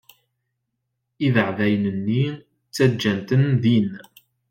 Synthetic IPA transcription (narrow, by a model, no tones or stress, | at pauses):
iðəʕvæjənənːi | t͡sːæd͡ʒːænt̪ənðin